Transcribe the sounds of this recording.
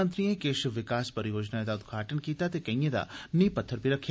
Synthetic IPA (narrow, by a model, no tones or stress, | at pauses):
nt̪ɾiẽkeʃʋɪkaːspəɾjoːd͡ʒnaet̪aʊd̪ɡʱaːʈənkiːt̪at̪ekɐĩed̪a̰nipət̪ʰːəɾpiɾəkʰj